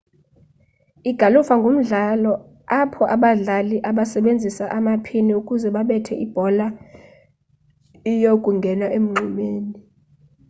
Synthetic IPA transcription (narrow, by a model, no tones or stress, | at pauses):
iɡ̥ʱalufaŋɡʱom̩ɮalɔ | apʰɔʔaɓaɮaliʔaɓasɛɓend͡zʱisaʔamapʰiniukʼuzɛɓaɓɛtʰɛ̰ʔib̥ʱɔla | ijokʼuŋɡʱɛnaʔem̩ŋ͡ǃimeːni